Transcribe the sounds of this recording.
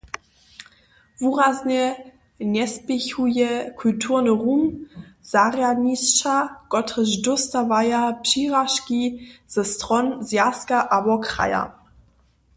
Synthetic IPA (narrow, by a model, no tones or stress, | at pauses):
vuʁazɲɛ | ɲɛspɪçujɛkʰultʰuʁnəʁumz̥aʁjadɲist͡ʃakɔtʁəzdʊstavajapʂiːʁaʃkiz̥ɛstʁɔnzjaskaʔabɔkʁa̰ja̰